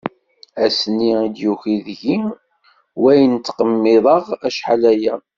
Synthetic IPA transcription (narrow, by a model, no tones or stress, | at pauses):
æsnːiid̪juxiðʝi | wæjnt̪ːqəmːɪðˤəʁæʃħalæjæ